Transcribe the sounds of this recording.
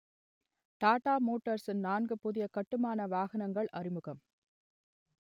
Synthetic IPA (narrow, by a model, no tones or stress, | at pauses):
t̪aːʈːaːmoːʈːɐɾsɪnnaːnɡɯpʊðɪjɐkɐʈːɯmaːnɐʋaːɣɐnɐŋɡɐɭʔɐrɪmɯɣɐm